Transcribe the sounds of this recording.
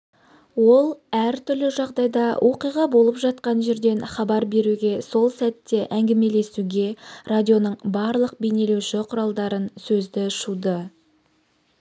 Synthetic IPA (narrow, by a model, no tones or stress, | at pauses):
wo̞lˠæɾt̪ʰʏɾlɪʒɑʁd̪ɑjd̪ɑwʔo̞qijʁɑbo̞lˠəpʒɑt̪̚qɑnʒe̞ɾd̪e̞nχɑbɑɾbe̞ɾuɡʲe̞so̞lˠsæt̪ːe̞ʔæŋɡʲɪme̞le̞suɡʲe̞rad̪ʲio̞nəɴbɑɾlˠəq̚bejne̞lewʃɪqʰʊɾɑlˠd̪ɑɾənsɵzd̪ɪʃud̪ə